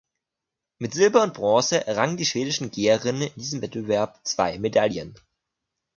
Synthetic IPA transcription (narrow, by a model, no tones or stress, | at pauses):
mɪtz̥ɪlbɐʊnt̚b̥ʁɔːsəʔʁaŋəndiːʃv̥eːdɪʃn̩ɡeːɐʁɪnənɪndiːzəmvɛt̚b̥əvɛɐp̚t͡sv̥a̰ɪmedaljən